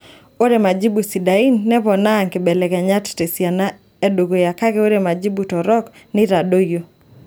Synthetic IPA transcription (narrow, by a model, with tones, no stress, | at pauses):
o˦ɾe˨ma˨d͡ʒi˦bu˨si˨da˨i˦nːɛ˦pɔ˨na˦˨ŋkɪ˨bɛ˨lɛ˨ka˨ɲa˦tte˨sja˨na˦ | e˦do˨ɡo˨ja˨ka˦ke˦o˦ɾe˨ma˨d͡ʒi˦bu˨tɔ˨ɾɔ˦k | nɪ˦ɾa˨do˦jo˦